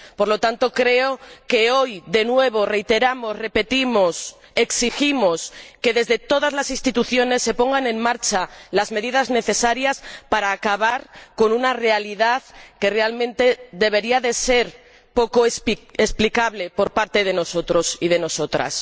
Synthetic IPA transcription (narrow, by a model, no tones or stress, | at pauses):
po̞ɾlo̞t̪ant̪o̞kɾe̞o̞ke̞o̞jðe̞nwe̞β̞o̞re̞jt̪e̞ɾamo̞sre̞pe̞t̪imo̞s | e̞ksiximo̞ske̞ðe̞zðe̞t̪o̞ðazlasinst̪it̪uθjo̞ne̞sːe̞po̞ŋɡanẽ̞ŋmaɾt͡ʃalazme̞ðiðazne̞θe̞saɾjaspaɾaːkaβ̞aɾko̞nunare̞aliðaðke̞re̞almẽnt̪e̞ðe̞β̞e̞ɾiaðe̞se̞ɾ | po̞ko̞spesplikaβle̞po̞ɾpaɾt̪e̞ð̞e̞no̞so̞t̪ɾo̞sið̞e̞no̞so̞t̪ɾa̰s